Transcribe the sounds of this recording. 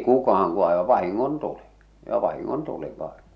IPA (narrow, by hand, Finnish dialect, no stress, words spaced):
kukɑhɑŋ ku ɑˑeʋɑ ʋɑhiŋːontuli j̆ə̆ ʋɑhiŋːontuli ʋɑe̥n̥